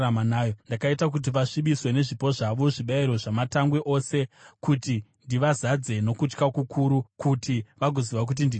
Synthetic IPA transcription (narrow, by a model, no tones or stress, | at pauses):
amanaːjondakaitak̬ut̬iʋaʂiɓiswe̞ne̞ʐipo̞ʐaʋo̞ʐiɓaiɾo̞ʐamataŋɡweʔo̞ːse̞kutindiʋazad͡ze̞no̞kut͡ʃkakukʰuɾukutʰiʋaɡʱo̞ziʋak̬ut̬indi